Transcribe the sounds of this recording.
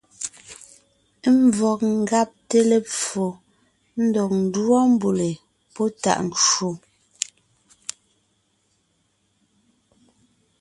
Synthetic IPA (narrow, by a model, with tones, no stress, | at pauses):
m˦˨˦vɔ˨k̚ŋ̩˨ɡa˦p̚te˦le˨p͡fo˨ | n̩˦dɔ˨k̚n̩˨dwɔ˦m˦bu˨le˨ | pɔ˦ta̰˨ʔŋ˨t͡ʃo˨